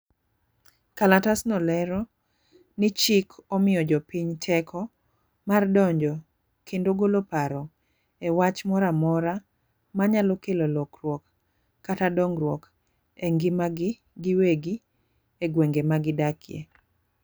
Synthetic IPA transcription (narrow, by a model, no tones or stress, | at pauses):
kalatasnɔlɛɾɔ | nɪt͡ʃɪkʰɔmɪjɔd͡ʒɔpiɲtʰɛkʰɔ | mardɔɲd͡ʒɔ | kʰendoɡolopaɾɔ | ewat͡ʃmɔɾamɔɾa | maɲalɔkelɔlɔkrwɔkː | atadɔŋɾwɔk | eŋɡɪmaɡɪ | ɡɪweɡi | eɡweŋɡemaɡɪdakʰɪḛ